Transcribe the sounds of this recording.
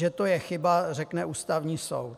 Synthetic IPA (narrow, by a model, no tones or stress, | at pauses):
ɛt̪o̞jɛxɪbarɛknɛʔuːst̪avɲiːso̰wt̪̚